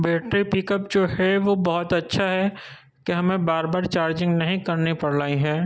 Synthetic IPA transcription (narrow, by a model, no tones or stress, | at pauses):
bɛːʈɾipɪkəpd͡ʒoːɦɛʋobɐɦʊt̪ɐtːʃʰaɦɛ | keɦɐmẽbaːɾbaːɾt͡ʃaːɾd͡ʒɪ̃ŋɡnɐɦĩkɐɾnipɐɽlaːiɦɛ̃ː